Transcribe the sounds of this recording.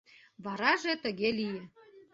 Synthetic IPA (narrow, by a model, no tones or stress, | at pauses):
βɑɾɑʒet̪əɣelijĕ